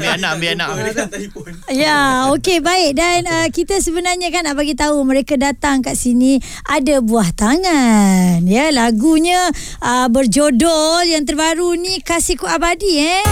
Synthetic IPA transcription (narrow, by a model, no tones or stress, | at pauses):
bianabiana | jaokebaɪʔ̚danəkit̪asəbənarɲakanːaʔbaɡit̪auməɾekadat̪aŋkaʔsinĩ | ʔadabuaht̪aŋanjəlaɡuɲã | əbərd͡ʒodɔljaŋt̪̬ərbaɾunikasikuabadiɛ